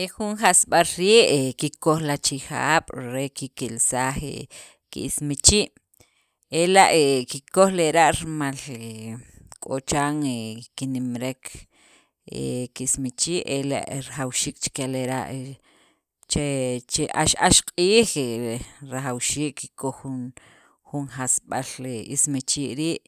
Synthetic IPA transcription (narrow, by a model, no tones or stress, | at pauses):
exunχasɓalɾiːʔekikoχlat͡ʃixaːɓ̥ɾekikilsaːχḛ | kḭʔismit͡ʃiːʔ | elaʔekikoxleɾaʔɾimalekʼot͡ʃaːŋekinimɾek | ḛkiismit͡ʃiːʔela̰ʔɾaχawʃiːk̚t͡ʃkeleɾa̰ʔ | t͡ʃet͡ʃeʔa̰ʃaʃqʼiːχeɾaχawʃiːkːi̥koχun | xunxasɓaleḭsmit͡ʃiːʔɾiːʔ